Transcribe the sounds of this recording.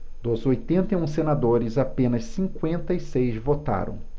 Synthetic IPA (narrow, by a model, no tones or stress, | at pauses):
d̪̥ʊzojt̪ẽnt̪ɐiũsenad̪oɾɪzapẽnɐssĩŋkwẽnt̪ɐisejzvot̪a̰ɾɐ̰̃w̃